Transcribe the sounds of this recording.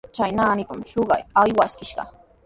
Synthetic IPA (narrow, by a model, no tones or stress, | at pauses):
t͡ʃajnaːnɪpamʃoɢɑ̰jajwaskɪʃɢɑ̰